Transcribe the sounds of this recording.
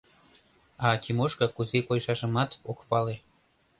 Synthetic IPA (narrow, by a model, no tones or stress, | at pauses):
ɑkimoʃkɤkuzekojʃɑʃəmɑt̪okpɑle